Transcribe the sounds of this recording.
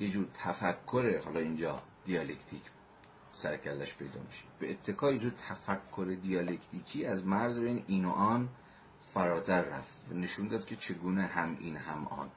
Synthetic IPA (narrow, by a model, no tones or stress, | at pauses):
jed͡ʒuːɾ̚t̪ʰæfækʰːoɾehɒːlɒːind͡ʒɒːd̪̥ijɒːle̞kt̪ʰiːcʰ | sæɾcʰælːæʃpʰe̞jd̪ɒ̰ːmiʃe̥beːt̪ʰːe̞kʰɒːjed͡ʒuːd̪̚t̪ʰæfækʰːoɾed̪ijɒːlekʰt̪ʰiːcʰiːæzmæɾzbeiniːno̰ʔɒːn | fæɾɒːt̪ʰæɾːæft̪væne̞ʃuːnd̪ɒːd̪̚kʲʰe̞t͡ʃʰe̞ɡuːneɦæmḭːnhæmʔɒ̰ːn